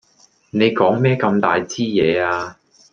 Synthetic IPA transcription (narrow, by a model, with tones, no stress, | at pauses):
ne˨˧jkɔː˨˥ŋmɛː˥kɐ˧mt̪aː˨jt͡siː˥jɛː˨˧aː˧